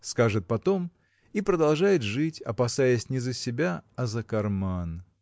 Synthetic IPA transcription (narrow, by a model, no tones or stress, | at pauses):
skaʐɨt̪̚pɐt̪o̞m | ipɾəd̪ɐlˠʐajɪt̪ʐɨtʲɐ̰pɐsajəsʲnʲɪzəsʲɪbʲaɐzəkɐrman